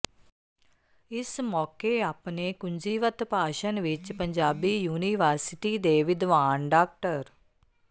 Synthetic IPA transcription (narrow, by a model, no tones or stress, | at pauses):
ɪsmɔːkeapnekʊɲd͡ʒiːʋət̪paːʃənʋɪt͡ʃpɐ̃ɲd͡ʒaːbijuːniʋəːɾsɪʈid̪eːʋɪd̪ʋaːnɖaːk̚ʈəɾ